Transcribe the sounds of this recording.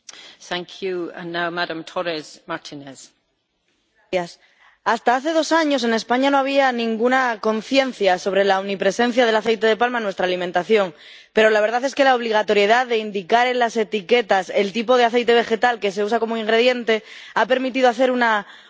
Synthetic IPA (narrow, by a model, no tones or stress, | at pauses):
θãŋkʰjuə̰̃nːawmadãmtʰɔɾɛzmaɹtʰɪnɛz̥ | ajas | ast̪aaθe̞ð̞o̞saɲo̞s̬e̞ne̞spaɲano̞aβ̞ianĩŋɡunako̞n̟θje̞n̟θjaso̞βɾe̞launipɾe̞se̞n̟θjaðe̞laθe̞jt̪e̞ðe̞palmanwe̞st̪ɾaːlimẽnt̪aθjo̞ŋ | pe̞ɾo̞laβ̞eɾð̞aθe̞ske̞laoβ̞liɣ̞at̪o̞ɾje̞ðaðe̞ind̪ikaɾe̞nlase̞t̪ike̞t̪ase̞lt̪ipo̞ð̞eaθe̞jt̪e̞β̞e̞xe̞t̪alke̞se̞us̬ako̞moiŋɡɾe̞ð̞je̞nt̪e̞ape̞ɾmit̪̬iðo̞aθe̞ɾuna